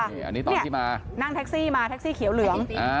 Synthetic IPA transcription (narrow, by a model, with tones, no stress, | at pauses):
ʔa̰˧nːi˦˥t̪ːni˥˩ʔ̪i˥˩maː˧ | na˥˩ŋt̪ʰɛ˦˥k̚siː˥˩maː˧t̪ʰɛ˦˥k̚siː˥˩kʰi˨˩˦wlɯ˩˦əŋʔa˧